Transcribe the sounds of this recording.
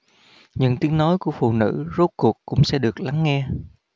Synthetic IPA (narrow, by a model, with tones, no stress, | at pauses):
ɲɨ̰˧˥ŋt̪i˨˦əŋno˨˦jku˧˩əfṵ˧˨nɨ̰˧˥zo˦˥t̚ku˨˩əkkːʊ̰˧˥ŋ͡msɛ̰˧˥ɗɨ˨˩ək̚la˨˦ŋːɛ˧